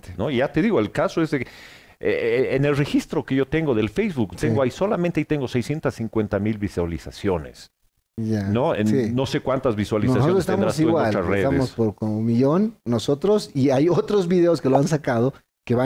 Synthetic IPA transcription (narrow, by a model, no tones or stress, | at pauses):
noiʝat̪eðiɣoelkaso̞ezðe | eenelre̞xist̪ɾo̞keʝo̞t̪e̞ŋɡo̞ðelfejzβukt̪eŋɡoajso̞lamẽnt̪eait̪e̞ŋɡo̞sejsje̞nt̪asːiŋkwe̞nt̪amilβiswalisasjo̞ne̞̰s | janoḛnsinːo̞se̞kwant̪azβiswalissasjonost̪eandɾasiueɣwault͡ʃasreðt̪aemospoɾkomomiʝonːoso̞t̪ɾosiajot̪ɾozβiðe̞oskeloansakaðo̞ | keβa